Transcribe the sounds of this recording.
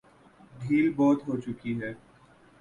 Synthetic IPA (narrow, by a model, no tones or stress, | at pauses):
ɖʱiːlbɔːt̪ɦoːt͡ʃʊkiɦɛː